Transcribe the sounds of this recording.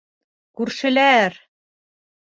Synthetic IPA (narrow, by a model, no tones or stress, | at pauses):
kʉɾʃɘ̆læɾ